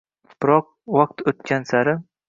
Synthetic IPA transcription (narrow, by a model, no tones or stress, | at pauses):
pɾɒq̚ | waq̚t̪ɵt̪kʲʰansaɾɪ